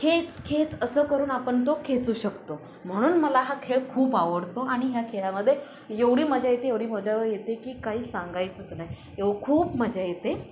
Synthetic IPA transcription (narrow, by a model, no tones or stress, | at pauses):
kʰet͡skʰet͡səsəːkəɾuːnapəɳt̪okʰet͡suːɕəkt̪o | m̤əɽ̃uːnməlaɦakʰeɭkʰuːpaʋəɽt̪oʔaɽ̃iɦjakʰeɭaməd̪ʱːje | jeʋɽiːməd͡ʑʱjajet̪ejeʋɽiːməd͡ʑʱaʋəɾjet̪ekiːkaɦiːsãŋɡajt͡sət͡snaɦi | eʋəkʰuːpməd͡ʑʱajet̪e